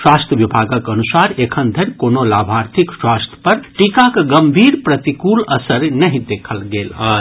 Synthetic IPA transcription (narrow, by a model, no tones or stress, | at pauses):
swast̪ʰjəʋibʱaɡəkənusaɾekʰənd̪ʱəɾʲkonolaːbʱaɾt̪ʰikswast̪ʰjə̥pɐɾʈikakɡəmbʱiːɾpɾət̪ikuləsəɾnəɦĩd̪ekʰəlɡeːləː